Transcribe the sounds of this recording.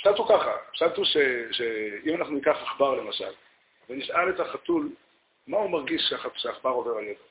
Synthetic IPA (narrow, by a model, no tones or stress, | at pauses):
ʃalt̪ukaχa̰ʃalt̪uʃeʃeimanaχnuikaχaχbaʁlemaʃa̰l | veniʃaletaχatul | maumaʁɡiʃʃaχaʃeaχbaʁo̞ve̞ʁaljete